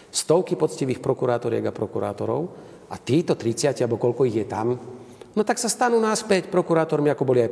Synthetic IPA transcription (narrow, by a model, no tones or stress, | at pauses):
st̪ɔʊkipɔt͡sciʋiːxpɾɔkuɾaːt̪ɔɾɪɛ̰ɡapɾɔkuɾa̰ːt̪ɔɾɔ̰ʊ | at̪iːt̪ɔt̪ɾit͡sɪacialbɔkɔʎkɔiɣjɛt̪amnɔt̪aksast̪anuːnaspɛcpɾɔkuɾaːt̪ɔɾmiakɔbɔliaj